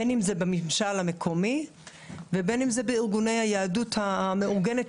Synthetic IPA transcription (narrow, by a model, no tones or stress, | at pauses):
enimzebemimʃalame̞kʰo̞mi | vebe̞nimzebeiʁɡune̞jhajaaduthameuʁɡenet